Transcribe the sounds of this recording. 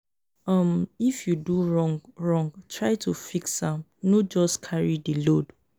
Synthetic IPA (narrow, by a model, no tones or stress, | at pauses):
ʌmifjuduɹɔ̃ŋɹɔ̃ŋɡtʰɹajtʰufiksãmnɔd͡ʒɔskʰaɹidilod